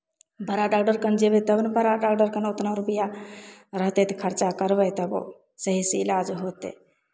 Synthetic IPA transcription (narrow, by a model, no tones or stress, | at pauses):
bʱəɾaɖaːkɖəɾkənd͡ʒebet̪əbnbəɾaɖaːkɖəɾkənʊt̪naɾubijaɾəɦt̪et̪kʰəɾt͡ʃakəɾʋəjt̪əb̰ | səɦiseɪlaːd͡ʒɦoːt̪ḛ